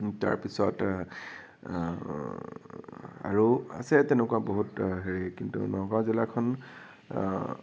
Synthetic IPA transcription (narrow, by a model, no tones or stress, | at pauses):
ta̰ɹpisɔt | a̰ɹua̰sɛtɛnɛkuwaboɦutɦeɹikintṵnɔɡɔazilakʰɔn